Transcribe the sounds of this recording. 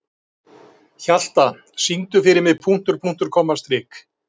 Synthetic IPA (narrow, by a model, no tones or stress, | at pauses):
çal̥t̪a | sint̪ʏfɪɾɪmɪðpʰun̥t̪ʏɾpʰun̥t̪ʏɾ̥kʰɔːmast̪ɾɪːk